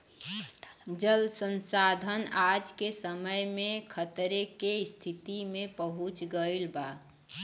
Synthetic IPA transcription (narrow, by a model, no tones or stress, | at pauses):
d͡ʒəlsə̃nsad̪ʱənad͡ʒkesəməjmẽkʰət̪ɾekest̪ʰit̪imẽpəɦut͡ʃɡəilba